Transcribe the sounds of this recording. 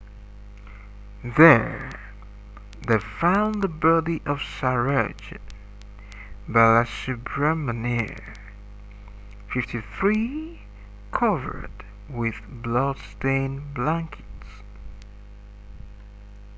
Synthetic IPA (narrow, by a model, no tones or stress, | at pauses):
ðə˞ | ðeɪfãʊ̃nðəbɜɾiʔʌv̥saɹad͡ʒɨ | baɪɨsʉpʰɹəmənɪɹ | fɪftʰiθɹi | kʰʌvə̰˞d | wɪð̥blɔd̥stẽɪ̃nblæ̃ŋkʰɨ̥ts